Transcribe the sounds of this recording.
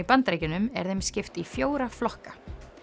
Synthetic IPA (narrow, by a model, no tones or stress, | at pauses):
ipant̪ɾejcɪnʏmɛ̰ɾðejmscɪft̪ifjoːwɾaflɔhkḁ